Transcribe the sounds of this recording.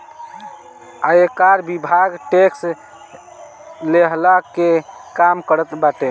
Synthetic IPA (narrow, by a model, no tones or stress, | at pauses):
aekaɾbibʱaɡʈeks | leɦlakekamkəɾət̪baʈe